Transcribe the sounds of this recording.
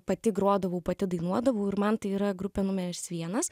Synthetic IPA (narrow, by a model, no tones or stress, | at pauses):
pɐt̪ʲɪɡɾuɔd̪ɐʋɐʊpɐt̪ʲɪd̪ɐɪnuɔd̪ɐʋɐʊɪɾmɐnt̪ɐɪiːɾɐɡɾʊpʲɛːnʊmʲɛɾʲɪʃsʲʋʲiɛnɐs